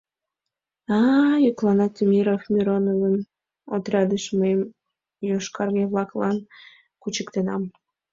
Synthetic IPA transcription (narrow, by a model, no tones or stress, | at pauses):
ɑjyklɑnɑt̪ʲmʲiɾofmʲiɾonovən | ot̪ɾʲɑd̪əʃməjəm | joʃkɑrɣeβlɑklɑn | kut͡ɕəkt̪enɑm